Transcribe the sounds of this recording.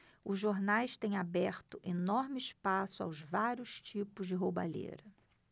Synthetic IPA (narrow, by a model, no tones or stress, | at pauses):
ʊzʒoɾnajst̪ẽj̃abɛɾt̪ʊʔenɔɾmɪɪʃpasʊa̰wzvaɾjʊʃt͡ʃipʊzd͡ʒɪɦoba̰ʎḛɾɐ